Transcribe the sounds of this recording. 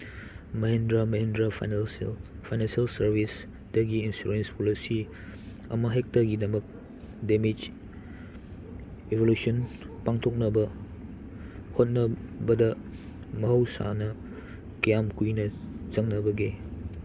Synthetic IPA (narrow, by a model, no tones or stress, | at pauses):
mɐɦendɾamɐɦendɾa̰nfajnansialsəɾbis | dɐɡiinsuɾenspolisi | ɐ̰mɐɦek̚tɐɡidɐmɐk̚ | demid͡ʒ | ebolusiɔnpaŋtʰok̚nɐbɐ | hot̚nɐbɐdɐ | mɐɦɐwsa̰nɐ | kɐjamkujnɐzɐŋnɐbɐɡe